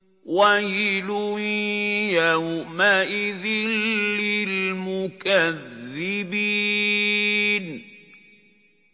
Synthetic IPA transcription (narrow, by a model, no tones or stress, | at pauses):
wajiluijamaʔɪðilːɪlmʊkaðːibiː | n